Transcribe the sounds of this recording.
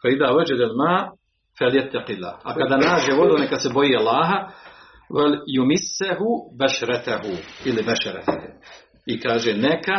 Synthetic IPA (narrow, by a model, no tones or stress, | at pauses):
faid̪aːwad͡ʒad̪almaː | faljat̪ːaqɪlːa̰ːha̰kad̪aːnaːd͡ʒeːʋod̪unekasebojialˠːaːɦa | waljumɪsːaɦubaʃaɾˤat̪ahuilɪbaʃaɾa̰t̪h | ikaːʒeːneka